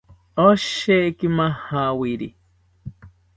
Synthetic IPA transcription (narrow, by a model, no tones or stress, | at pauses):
oʃekimahawiɾḭ